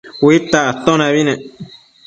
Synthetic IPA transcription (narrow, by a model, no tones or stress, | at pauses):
wit̪at̪õnãβinẽ